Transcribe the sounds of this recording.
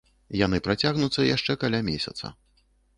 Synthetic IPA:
janɨpɾat͡sʲaɣnut̪sːɐjaʂt͡ʂɛkalʲamʲesʲɐ̰t̪sɐ̰

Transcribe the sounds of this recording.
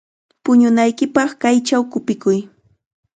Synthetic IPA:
pʊɲʊnajkɪpɑχkajt͡ʃawkʊpɪkʊj

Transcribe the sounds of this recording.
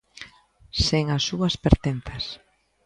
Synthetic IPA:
seŋasːuɐspeɾt̪en̟θɐs

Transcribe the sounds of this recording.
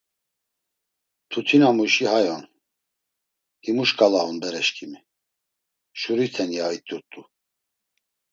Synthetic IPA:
t̪ʰut̪ʰinamuʃihajɔn | himuʃkʼalaunbɛɾɛʃkʰʼimi | ʃuɾit̪ʰɛnjait̪ʼːuɾt̪ʼu

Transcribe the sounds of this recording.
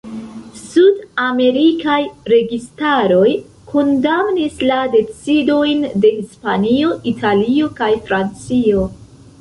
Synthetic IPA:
sudame̞ɾikajɾe̞ɡistaɾo̞j | kʰondamnislade̞t͡sido̞jnde̞hispanio̞ʔitʰalio̞kajfɾant͡sio̞

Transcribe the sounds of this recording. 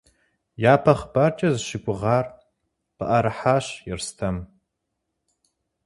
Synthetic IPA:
jaːpʰɐχbɐrt͡ʃʼɐzʃɪkʷʼʊʁɑːr | pəʔɐɾɨħaːɕjɪrstʰɐm

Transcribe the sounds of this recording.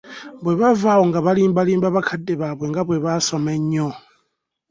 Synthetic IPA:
βwe̞βavaːwo̞ŋɡaβaliːmbaliːmbaβakʰadːeβaβweŋɡaβwe̞βasomeɲo

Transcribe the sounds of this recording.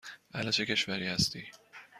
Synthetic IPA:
ʔælæt͡ʃʰe̞ce̞ʃvæɾiːhæst̪iː

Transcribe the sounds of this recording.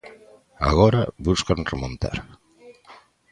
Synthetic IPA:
a̰ɣɔɾaβuskanremõnt̪a̰ɾ

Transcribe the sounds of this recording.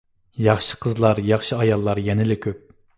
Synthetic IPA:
jɑχʃi̥qʰəzlˠɑɾjɑχʃiɑjɑlˠːɑɾjɛnɪlɪkʲʰøp̚

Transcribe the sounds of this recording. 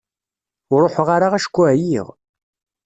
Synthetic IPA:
ʊɾˤoħʁaɾaʁæʃə̥kʷːujḭʁ

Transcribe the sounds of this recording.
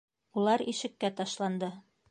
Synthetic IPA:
ulˠɑɾiʃɘ̆kːæt̪ɑʃlˠɑnd̪ɤ

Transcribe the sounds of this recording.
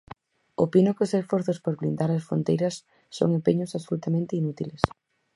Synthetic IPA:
opinʊkɪosesfoɾθʊspoɾβlind̪aɾɐsfɾo̰nt̪ejɾɐsː | o̰ŋempeɲʊsasolut̪amẽnt̪ɪinut̪iles

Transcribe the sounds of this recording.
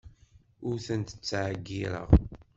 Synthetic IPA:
ʊɾθənt̪ə̥t͡sːʕəɡːiɾə̰ʁ

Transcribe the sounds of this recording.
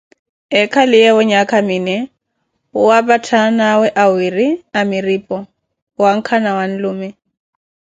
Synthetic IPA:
ɛkʰalɪjɛʊɲakʼamiːnɛ | ʊwapʼatʰanawɛʔawiriamɪriːpʼɔ | waŋ̩kʰanawan̩lʊːmɛ

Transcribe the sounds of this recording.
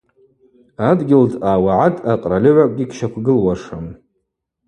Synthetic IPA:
adɡʲɪldʼaːwaʕatʼaqʼralʲɪʕʷakʷʼɡʲikʲʃakʷʰɡɨlwaʂam

